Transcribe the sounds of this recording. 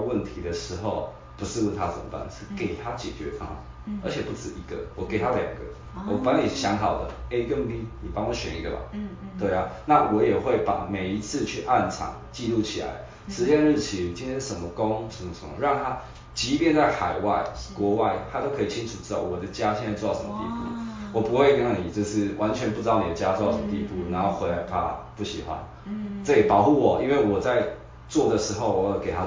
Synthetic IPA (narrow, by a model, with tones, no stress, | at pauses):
wə˥˨nt̪ʰi˨˥d̪ə˨ʂɻ̩˧˥xo˥˨ʊ | pu˧˦ʂɻ̩˥˧wə˥˩nt̪ʰa˦ʂə̰˨˩mə̰˨˦pa̰˥˨˩nʂɻ̩˥˩ke˨˩ɪt̪ʰa˦t͡ɕɛ̰˨˩t͡ɕɥɛ˧˦fa˧˥˩ŋ̰˨˩ | ʔə̰˞˧˥t͡ɕʰjɛ˨˩pu˥˩t͡sɹ̩˨˩i˧˥ɡə̰˨wɔ˨˩ke˨˩ɪt̪ʰa˦˧lja̰˨˩ŋɡə̰˦ | wɔ˨˩pa˨˧˦ni˨˩ɕjɑ˧˦ŋɦɑ˨˩ʊd̪ə̰˦e˦kə˥˦m˦pi˦˥ni˨˩pɑ˥ŋwɔ˧˦ɕɥɛ̰˧˦ni˧˥ɡə̰˨ma̰˨t̪we˥˩ɪa˨˦na˥˨wɔ˧˥jɛ˨˩xwe˥˩ɪpa̰˨˩me˨˩ɪi˧˥t͡sʰɹ̩˥˧t͡ɕʰy˥˧ʔa˥˨nt͡sʰɑ̰˨˩˦ŋt͡ɕi˥˧lu˥˩t͡ɕʰḭ˨˩la̰˨˧˦ɪ | ʂɻ̩˨˦ɕjɛ˥˧nɻ̩˥˩t͡ɕʰi˨˦nt͡ɕi˦˥nt̪ʰjɛ˥nʂə˨˦mə˧˦ko˦˥ŋʂə˧˩m˧ʂə̰˧˦mə̰˦ɻɑ˥˩ŋt̪ʰa˦ | t͡ɕi˧˥pjɛ˥˧nt͡sa˥˩ɪxa̰˨˩ɪwa̰˥˩ɪkwɔ˨˥˦wa˥˩ɪt̪ʰa˥t̪o˥ʊkʰɤ˧˥i˨˩t͡ɕʰi˦˥ŋʈ͡ʂʰu˨˩ʈ͡ʂɻ̩˥t̪ɑ˥˨˩ʊwɔ˨˩d̪ə˦t͡ɕja˦ɕɛ˥˧t͡sa˥˧t͡sw̪ɑ˥˩ʂə˧˦mə˧t̪ḭ˥˧pṵ˥˩wɔ˨˩pu˧˦xwe˥˩ɪki˥˩ja˥˩ŋni˨˩t͡ɕjo˥˧ʊʂɻ̩˥˩wʔa˧˦nt͡ɕʰɥɛ˧˦npu˥˩ʈ͡ʂɻ̩˧˥t̪ɑ˥˩ʊni˨˩ə˦t͡ɕja˥wɔ˥˧ɑ˥˩ʊʂə˧˦mə˧t̪i˥˧˩pu˥˩na˧˥nxo˥˩ʊxwe˧˥ɪla˧˥ɪpʰa̰˦˩pu˥˩ɕi˨˩xwa̰˦n | t͡sɤ˥˧˩i˨˩pɑ˨˩ʊxu˥˩wɔ˨˩ʔi˦nwe˥˩ɪwɔ˨˩t͡sa˥˧ɪ | t͡swɔ˥˩d̪ə˩ʂɻ̩˧˥xo˥˧ʊwɔ˨˧˦jke˨˩t̪ʰa˦